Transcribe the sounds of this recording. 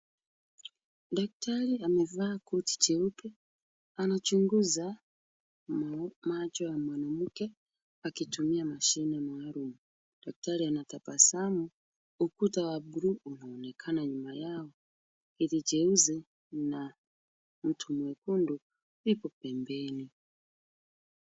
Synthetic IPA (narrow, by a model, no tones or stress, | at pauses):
dakutaɾiamevakuti̥d͡ʒeuke | anat͡ʃuŋɡuza | mat͡ʃoamwanamuke | akitʰumiamaʃinemaaɾumu | d̥akutaɾianatapasamu | ukutawabuɾuːno̞ːnekʰanaɲumajawo | iɾid͡ʒeuzi | na | mutʰumwekundu | uipopembeːni